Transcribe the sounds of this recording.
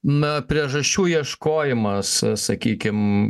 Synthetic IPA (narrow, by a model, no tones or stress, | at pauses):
nʊpʲɾʲiɛʒɐʃʲt͡ʃʲuːjiɛʃkoːjɪmɐssɐkʲiːkʲɪm